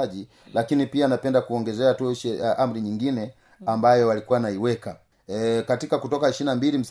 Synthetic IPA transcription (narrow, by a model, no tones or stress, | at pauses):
ʄi | lakinipianapɛndakuɔŋɡɛzɛatuʃɛʔam̩ɾiɲiŋɡinɛ | ambajɔwalikuwanaiwɛka | katikakutɔkahiʃinambilim̩s